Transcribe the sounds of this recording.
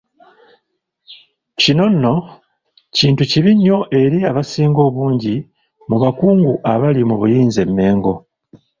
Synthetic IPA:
cino̞nːo̞ | ciːntuciβiɲːo̞ʔe̞ɾiaβasiːŋɡo̞ːβuːɲɟi | muβakuːŋɡuʔaβalimuβujiːnze̞mːe̞ːŋɡo̞

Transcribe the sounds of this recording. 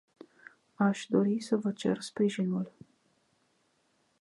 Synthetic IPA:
aʃd̪o̞ɾisəvət͡ʃe̞̰rspɾiʒinul

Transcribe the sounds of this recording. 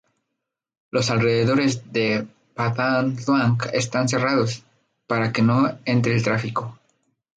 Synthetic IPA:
lo̞salre̞ðe̞ðo̞ɾe̞zðe̞ | pat̪anθwaŋkest̪ans̬e̞raðo̞s | paɾake̞no̞e̞nt̪ɾe̞ːlt̪ɾafiko̞

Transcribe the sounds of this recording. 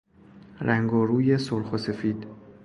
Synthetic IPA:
ɾʔæŋɡɔːɾuːje̞solxose̞fiːd̪̥

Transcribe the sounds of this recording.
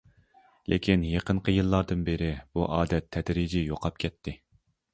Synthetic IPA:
lʔḛkʲinjeqənqʰəjɨlˠːɑɾd̪ɨnbɪɾɪb̥uʔɑːd̪ɛt̪ʰːɛd̪ɾid͡ʒijoqʰɑp̚kʲʰɛt̪ʰːɪ

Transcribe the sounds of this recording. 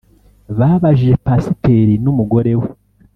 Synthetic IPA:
βaːβaʒiʒe̞pasiteɾinumuɡo̞ɾe̞we

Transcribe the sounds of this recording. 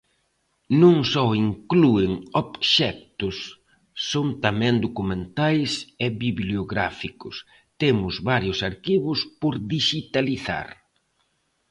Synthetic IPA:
nũŋsɔiŋkluɪŋobʃɛk̚t̪ʊsː | oŋt̪amɛ̃ŋd̪okumẽnt̪ajsɛβiβljoɣɾa̰fikʊs | t̪emʊzβaɾjʊsaɾkiβʊspoɾðiʃit̪aliθa̰ɾ

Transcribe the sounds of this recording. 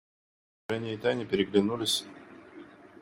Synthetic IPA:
ɛnʲɪjəɪt̪anʲɪpʲɪɾʲɪɡlʲɪnulʲɪsʲ

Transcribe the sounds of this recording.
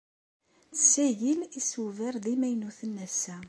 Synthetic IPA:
t͡sə̥sæʝilisuvəɾðimæjnuθənːæsæ

